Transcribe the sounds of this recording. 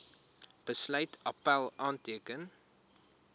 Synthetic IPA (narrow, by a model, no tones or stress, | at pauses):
b̥əslœɥtʰɐpælˠɑːntiəkən